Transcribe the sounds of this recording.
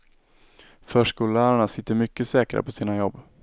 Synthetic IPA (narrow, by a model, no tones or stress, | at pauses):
fœːʂkuːlæːɾaɳasɪt̪ːəɾmʏkːəsɛːkɾa̰pʰɔsiːnajɔbː